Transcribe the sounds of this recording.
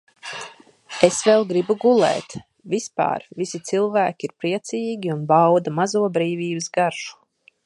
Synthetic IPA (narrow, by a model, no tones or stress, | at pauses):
esvɛlˠɡɾibuɡulˠɛ̰ːt̪ | vispa̰ːɾvisit̪silˠvæːkʲiiɾpɾiɛt̪siːɡʲiunbawd̪amazuɔbɾiːviːbɨsɡaɾʒu̥